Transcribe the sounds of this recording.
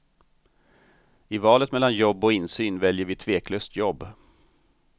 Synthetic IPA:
ɪvɑːlət̪mɛlːanjɔbːɔɪnsyːnvɛljəɾvɪt̪ʰveːkʰløːst̪ʰjɔbː

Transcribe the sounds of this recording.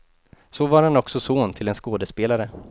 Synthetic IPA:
sɔvaɾhanɔksɔsoːnt̪ʰɪlɛnskoːd̪əspeːlaɾə

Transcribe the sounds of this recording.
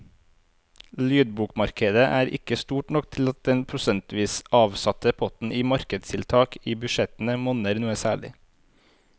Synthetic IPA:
lyːd̪̚buːkmɑɾkəd̪əʔæːɾɪ̰kəst̪uːʈnɔk̚t̪ʰɪlɑt̪̚d̪ɛnpʰɾʊsɛnt̪ʋiːsɑːʋsɑt̪əpʰɔt̪n̩ʔiːmɑɾkəd̪st̪ʰɪlt̪ʰɑːkiːbʉʃɛt̪n̩əmɔnəɾnuːəsæːɭɪ̰

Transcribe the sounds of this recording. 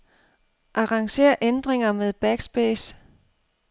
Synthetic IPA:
ʔɑ̈ʁɑ̈ŋɕe̝̰ːɐʔend̥ʁeŋɐmeð̞ˠb̥æɡ̥sb̥eːs

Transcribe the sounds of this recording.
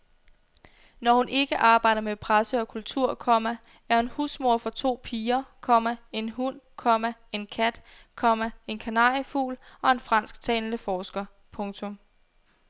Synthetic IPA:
nɒhunʔe̝ɡ̥əʔɑ̈ːb̥ɑ̈ɪ̰d̥ɐmepʰʁasəɒ̽kʰult͡sʰuɐ̰kʰɒ̽mæ | æɐhunhusmo̝ɐ̰fɒ̽t͡sʰo̝̰ːpʰiːɐkʰɒ̽mæe̝nɦun̰kʰɒ̽mæe̝nkʰæd̥ | kʰɒ̽mæe̝nkʰænɑ̰̈ifṵːlɒ̽e̝nfʁɑ̈n̰sɡ̥̚t͡sʰɛ̰ːnləfɒːsɡ̥ɐ | pʰɔ̽ŋt͡sʰɔ̽m

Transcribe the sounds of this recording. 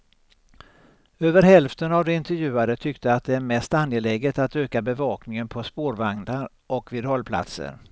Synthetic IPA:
øːvəɾɦɛlft̪ənavd̪ɛɪnt̪ɛɾjʉ̟ːad̪ət̪ʰʏkt̪əat̪̚d̪ɛæɾmɛst̪anjelɛɡət̪at̪øːkabɛvɑːknɪŋənpʰɔspoːɾvaŋd̪aɾ | ʔɔkviːd̪hɔlpʰla̰t̪sə̰ɾ

